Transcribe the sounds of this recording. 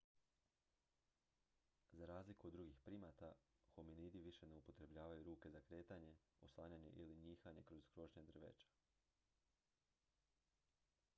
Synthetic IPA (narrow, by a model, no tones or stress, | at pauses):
zaɾaːzlikuod̪ːɾuɡixpɾimat̪axominiːd̪iʋiʃe̞ne̞upo̞t̪ɾe̞bʎaːʋajuɾuːke̞zakɾe̞ːt̪aɲe̞oslˠaːɲaɲe̞̰ʔiliɲiːxaɲe̞kɾo̞zɡɾo̞ʒɲed̪r̩ʋḛt͡ʃḁ